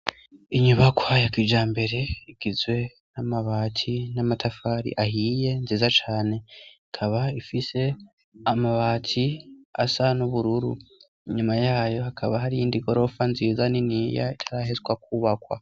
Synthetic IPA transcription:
iɲuβakwajakid͡ʒaːmbe̞ɾe̞iɡ̥izwe̞ | namaβaːtʰinamatʰafaːɾḭʔahiːje̞nziːzat͡ʃaːne̞ikʰaβaifise̞ | amaβaːtʰia̰sanuβuɾuɾṵ | iɲumajaːjo̞hakʰaβaɦaɾijiːndiɡo̞ɾo̞fanziːzaniniːja̰itʰḁɾaːhezɡwakuːβakwa̰

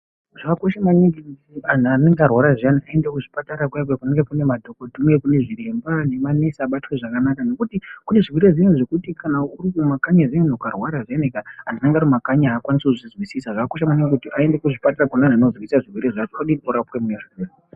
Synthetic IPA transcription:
ʐakakoʃamaniŋɡikutiananeŋɡearwaɾaʐianiae̞ndekuʐipataɾakwajkwekuneŋɡe̞kune̞madʱokotumekune̞ʐire̞mbane̞manesaːɓatweʐakanakano̞kutikune̞ʐirwiɾezinoʐe̞kutikʰanaurikumakaɲazienokarwaɾaʐanekaɦandinaŋɡaɾrimakaɲaaːkwanisekuʐizwisisaʐakako̞ʃamaniŋɡekutiʔae̞ndekuʐipatarakanananozwisaʐirwiɾeʐat͡ʃoaɗioɾapwemujeʐirwire

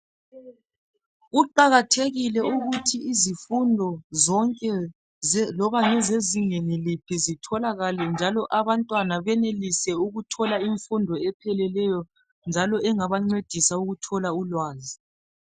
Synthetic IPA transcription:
uǃaɣatʰeɣilɛuɣutʰiizifundʱɔzɔŋkʼɛ | lɔβaŋɛzeziŋenilipʰizitʰɔlaɣalɛnd͡ʒʱalɔʔaβantʼwanaβɛnelisɛuɣutʰɔlaiɱfundʱɔɛpʰɛlɛlɛjɔ | nd͡ʒʱalɔɛŋaβaŋ͡ǀwed̥ʱisauɣutʰɔlaulwaːzi

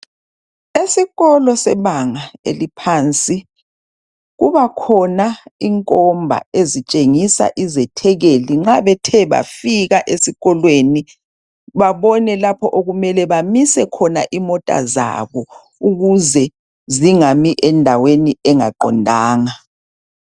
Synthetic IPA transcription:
esiɣɔlɔsɛβaŋaḛlipʰaːnt͡sʼi | ɣuβakʰɔnaiŋkʼɔmbʱa̰ezit͡ʃʼeŋisa̰ʔizɛtʰɛɣeliŋ͡ǁaβɛtʰɛβa̰fiɣaʔesiɣɔlweni | βaβɔnɛlapʰɔʔoɣumɛlɛβamisɛkʰɔnaʔimɔtʼa̰za̰βɔ | uɣuzɛ | ziŋamiʔɛndʱaweniɛŋa̰ǃɔ̰ndʱaːŋa

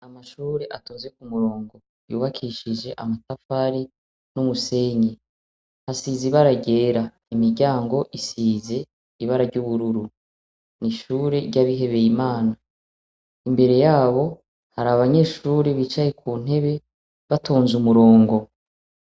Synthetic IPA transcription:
amaʃuːɾe̞ʔatoːnzwe̞k̚umuɾo̞ːŋɡo̞ | jṵːβakʰiʃid͡ʒe̞ʔamatafaɾi | numuse̞ːɲe | hasiːziβaɾaɟe̞ːɾa | imiɾɟaːŋɡo̞ʔisiːze̞ | iβaɾaɾɟuβuɾuɾu | niʃuːɾe̞ɾɟaβiɦe̞βe̞jimaːna | imbe̞ɾe̞jaːβo̞ | haɾaβaɲe̞ːʃuːɾeβit͡ʃaje̞kʰuːn̥e̞βe̞ | βatʰoːnzumuɾo̞ːŋɡo̞

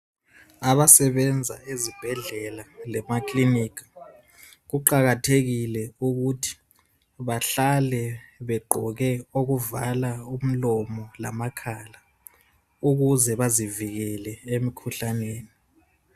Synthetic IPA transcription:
aβasɛβɛnd͡zʱa̰ezib̥ʱɛɮɛlalɛmakʼlinikʰḁ | ɣuǃaɣatʰeɣilɛuɣutʰi̥ | βaɬalɛβɛɡ͡ǃʱɔɣɛoɣuvalaum̩lɔmɔla̰makʰala | uɣuzɛβaziviɣɛlɛemikʰuɬaneːni

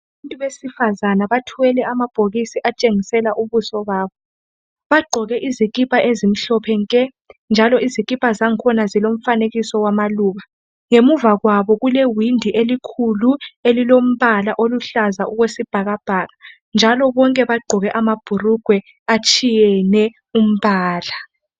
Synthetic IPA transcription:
aβantʼuβesifazanaβatʰuwɛlɛamab̥ʱoɣisiʔat͡ʃʼeŋisɛlaʔuβusɔβaːβɔ | βaɡ͡ǃʱɔɣɛʔizikʼipʼʰaʔezim̩ɬɔpʰɛŋkʼɛ | nd͡ʒʱalɔizikʼipʼazaŋkʰɔnazilom̩faneɣisɔwamaluːɣa | ŋemuvaɣwaβɔɣulewindʱiʔelikʰuluelilom̩βalaʔoluɬazaʔuɣwesib̥ʱaɣab̥ʱaːɣa | nd͡ʒʱalɔβɔŋkʼɛβaɡ͡ǃʱɔɣɛʔamab̥ʱuruɡ̥ʱwɛ | at͡ʃʼʰijɛnɛ | um̩βaːla

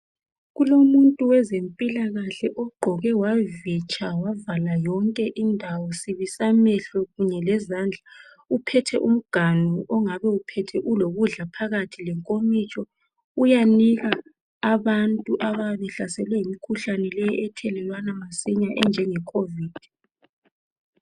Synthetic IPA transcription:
ɣulomuntʼuwɛzempʼilaɣaɬɛʔɔɡ͡ǃʱɔɣɛwavit͡ʃʰʼawavalajɔŋkʼɛʔindʱawɔsiβisamɛɬɔɣuɲɛlɛzaːnd͡ɮʱa | upʰɛtʰɛʔum̩ɡ̥ʱanuʔɔŋaβɛupʰɛtʰɛʔuloɣuɮapʰaɣatʰilɛŋkʼomit͡ʃʼɔ | ujaniɣaː | βantʼuʔaβaβɛɬasɛlwɛimikʰuɬanɛlɛjɔʔɛtʰɛlɛlwanamasiɲaʔɛnd͡ʒʱɛŋɛkʰoviːd̥ʱ

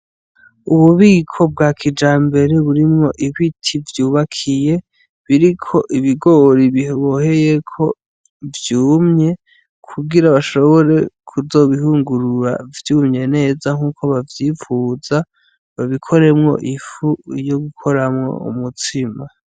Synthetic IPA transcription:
uβuβiːkʰo̞b̚ɡakʰid͡ʒaːmbe̞ɾe̞βuɾimŋo̞ʔiβitʰivjuːβakʰije̞ | βiɾikʰo̞ʔiβiɡo̞ɾiβiheβo̞he̞je̞kʰo̞ | vjuːmɲe̞ | kʰuɡiɾaβaʃo̞βo̞ɾe̞kʰuzo̞βihuːŋɡuɾuɾa̰vjuːmɲe̞ne̞ːzaŋ̥uːkʰo̞βavjifuza | βaβikʰo̞ɾe̞mŋo̞̰ʔifujo̞ɡukʰo̞ɾamŋo̰ṵmutʰima

